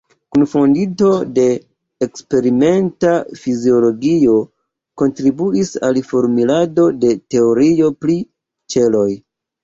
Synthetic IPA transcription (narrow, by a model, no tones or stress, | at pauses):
kunfondito̞de̞ː | kspe̞ɾime̞ntafizio̞lo̞ɡio̞ | ko̞ntɾibuisa̰lfoɾmilado̞de̞te̞oɾio̞pli | t͡ʃe̞lo̞j